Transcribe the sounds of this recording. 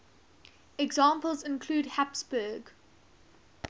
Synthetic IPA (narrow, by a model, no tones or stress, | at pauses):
ɛɡzɑ̃ːmpəlˠzɪ̃nkʰluːdhapsbəːɡ